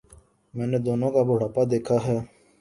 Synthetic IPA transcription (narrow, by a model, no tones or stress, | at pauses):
mɛ̃ːneːd̪oːnõːkaːbʊɽaːpaːd̪eːkʰaːɦɛː